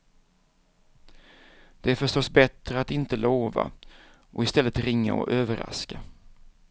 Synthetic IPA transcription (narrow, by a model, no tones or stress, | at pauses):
d̪̥ɛæɾfœʂʈɔsbɛt̪ɾəat̪ɪnt̪əloːva̰ | ʔɔɪst̪ɛlːət̪ɾɪŋːa̰ɔ̰ʔøːvəɾa̰ska